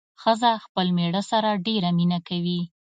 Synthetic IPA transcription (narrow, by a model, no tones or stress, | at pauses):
xəzaxpəlmeɽəsaɾaɖeɾaminakawi